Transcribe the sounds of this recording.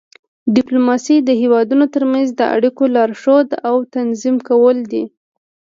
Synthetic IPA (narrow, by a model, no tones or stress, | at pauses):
dɪplomɑsid̪əhewɑd̪unot̪əɾmanzd̪əʔa̰ɽikolɑɾʃod̪awt̪anzimkawəld̪i